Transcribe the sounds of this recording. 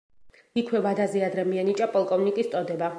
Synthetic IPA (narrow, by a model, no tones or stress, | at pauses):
ikʰwɛvad̪azɛad̪ɾɛmiɛnit͡ʃʼapʼɔlˠkʼɔvnikʼist̪sʼɔd̪ɛba